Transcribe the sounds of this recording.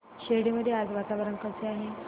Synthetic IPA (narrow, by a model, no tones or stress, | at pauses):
ɕeɽiməd̪ʱjead͡zʋat̪aʋəɾəŋkat͡seaɦe